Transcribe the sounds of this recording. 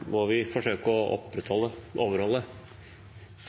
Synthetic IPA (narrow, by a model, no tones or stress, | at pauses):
ʋɔʋɪfɔʂøːkəɔʔɔ̰pːɾət̪ʰhɔlːəʔoːʋəɾhɔlːə